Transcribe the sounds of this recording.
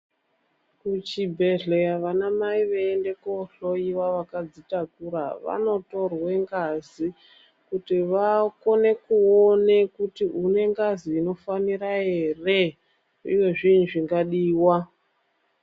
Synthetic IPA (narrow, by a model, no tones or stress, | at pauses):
kut͡ʃibʱe̞ɮejaʋanamaiʋeende̞koɬo̞iwaʋakad͡zitakuɾaʋa̰no̞to̞rwe̞ŋɡazi | kutiʋako̞ne̞kuonekutiʔune̞ŋɡaziːno̞faniɾae̞re | ḭwe̞ʐinʐiŋɡaɗiːwa